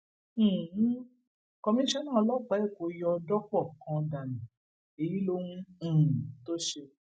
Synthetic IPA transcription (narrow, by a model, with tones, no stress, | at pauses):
kɔ˧mĩ˦ʃɛ˦nãː˦˨˧lɔ˦˨k͡pa˨˦ɛ˦˨ko˨˦jɔ˧dɔ˦kɔ˦˨kã˧da˨nĩ˨ | e˨ji˨˦lo˦hũ˦˨to˦ʃe˧